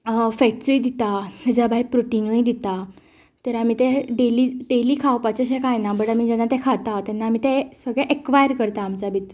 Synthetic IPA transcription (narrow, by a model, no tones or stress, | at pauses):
fɛkt͡suid̪it̪at̪ɛd͡ʑabaipɾoʈinoĩd̪it̪a | t̪əɾam̤it̪eɖeliɖeliːkʰawpat͡ɕeɕẽkajnabəɽam̤id͡ʑɛnːat̪ɛ̃kʰat̪at̪ɛnːaːm̤it̪ɛsəɡɭɛ̃ʔekʋajəɾkəɾt̪aːmt͡sabit̪